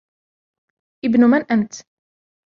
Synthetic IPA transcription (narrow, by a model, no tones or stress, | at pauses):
ibnumænʔæmt̪